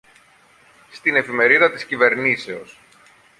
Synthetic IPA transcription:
st̪ine̞fime̞ɾiðɐt̪iscive̞ɾnise̞o̞s

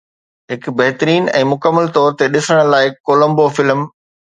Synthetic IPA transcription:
ɦɪkbɐɦt̪əɾiːnɛ̰̃ːmʊkəmːəlt̪ɔːɾt̪eɗɪsəɽ̃̆laːɪkoːlə̃mbofɪlm

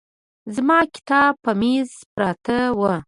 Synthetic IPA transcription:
zmɑkɪ̥t̪ɑbpəmiz | pɾɑt̪əwə

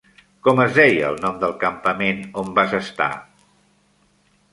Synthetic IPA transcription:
kɔməzðɛjəlˠnɔmd̪əlˠkəmpəmenombazəst̪a̰

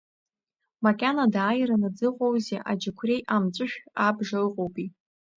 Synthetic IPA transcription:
makʲʼanadaːjɾanad͡zɨqʼowzeʔad͡ʒɪkʷʰre̞jʔamt͡ʃʷʼɨʃᶣabʐalqʼowpʼi

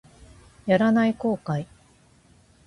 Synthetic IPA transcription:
jaɾanaiko̞ːkai

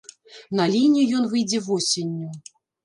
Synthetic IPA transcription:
nɐlʲinʲijijɔnvɨjd͡zʲɛvɔsʲenʲːu

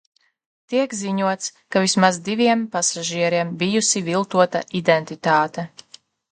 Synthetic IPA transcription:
t̪iɛkziɲuɔt̪skavismazd̪iviɛmpasaʒiɛɾiɛmbijusivilˠt̪uɔt̪a̰ʔid̪ɛnt̪it̪aːt̪ɛ

